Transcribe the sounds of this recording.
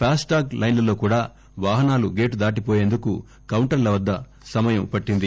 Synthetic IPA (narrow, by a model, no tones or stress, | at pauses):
pʰaːsʈaːɡlʔɐjnlɐloːkuːɽaː | ʋaːɦɐnaːluɡe̞ːʈud̪aːʈ̬ipoːje̞ːnd̪ukṵ | kɐwɳʈɐɾlɐʋɐd̪ːɐ | sɐmɐjɐmpɐʈːind̪i